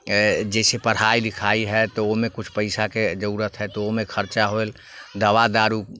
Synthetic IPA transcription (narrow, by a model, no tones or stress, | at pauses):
d͡ʒɛːsepəɽ̤ɦaːilɪkʰaːiɦɛt̪oomẽkʊt͡ʃʰpəɪsaked͡ʒəuːɾət̪ʰɦɛt̪oomẽkʰəɾt͡ʃaɦoel | d̪əʋad̪aːɾu